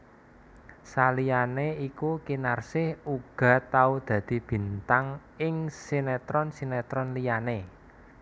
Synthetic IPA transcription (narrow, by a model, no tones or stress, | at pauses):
salijaneikukinarsɪhuɡ̥a̤t̪aud̪̥ä̤d̪̥i̤b̥i̤nt̪aŋ | ɪŋsinɛt̪ɾɔnsinɛt̪ɾɔnlijane